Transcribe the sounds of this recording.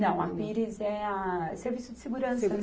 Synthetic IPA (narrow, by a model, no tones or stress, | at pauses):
nɐ̃w̃a̰piɾizɛɐseɾvisʊd͡ʒɪseɡuɾɐ̃seɡuɾ